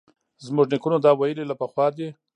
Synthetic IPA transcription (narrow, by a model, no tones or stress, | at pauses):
zmʊʐnɪkunod̪ɑwajəlilapəxwɑd̪e